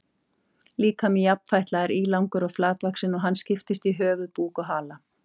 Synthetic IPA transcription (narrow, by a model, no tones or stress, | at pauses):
liːkʰamɪjapn̥fajht̪laɛɾiːlawŋkʏɾɔɣflaːt̪lvaksɪnɔɣɦanːscɪft̪ɪst̪iɦœːvʏðpuːkɔɦaːla